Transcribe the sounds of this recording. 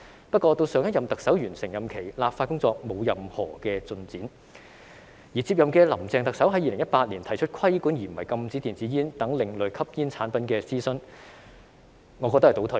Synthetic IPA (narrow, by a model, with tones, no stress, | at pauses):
pɐ˥t̚kʷɔː˧t̪o˧wsœː˨˧ŋjɐ˥t̚jɐ˨mt̪ɐ˨k̚sɐ˨˥wjyː˨˩nsɪ˨˩ŋjɐ˨mkʰe˨˩jlaː˨p̚faː˧t̚kʊ˥ŋt͡sɔː˧k̚mo˨˧wjɐ˨mhɔː˨˩kɛː˧t͡sɵ˧nt͡siː˨˥n | jiː˨˩t͡siː˧p̚jɐ˨mkɛː˧lɐ˨˩mt͡sɛː˨ŋt̪ɐ˨k̚sɐ˨˥wɦɐ˨˥jiː˨˧lɪ˨˩ŋjɐ˥t̚paː˧t̚liː˨˩nt̪ʰɐ˨˩jt͡ʃʰɵ˥t̚kʰɐ˥jkuː˨˥njiː˨˩m̩˨wɐ˨˩jkɐ˧mt͡siː˨˥t̪iː˨˩nt͡siː˨˥jiː˥nt̪ɐ˨˥ŋlɪ˨˧ŋlɵ˨˩kʰɐ˥p̚jiː˥nt͡sʰaː˨˥npɐ˨˥nkɛː˧siː˥sɵ˥n | ŋɔː˨˧kɔ˧t̪ht̪o˨˥wt̪ʰə˨˩